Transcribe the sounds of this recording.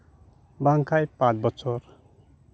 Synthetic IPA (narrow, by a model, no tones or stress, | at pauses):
baŋkʰajpãt͡sbʌt͡sʰɔɾ